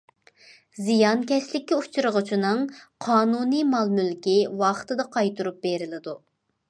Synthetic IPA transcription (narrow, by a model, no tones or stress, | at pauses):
zijɑnkʲʰɛslɪkʲːɛu̥t͡ʃʰuɾəʁʊt͡ʃʰinɨŋqʰɑːnunɨmɑlˠmylkʲiwɑχt̪ɨd̪ɑqʰɑjt̪ʰuɾup̚beɾɪlɪd̪u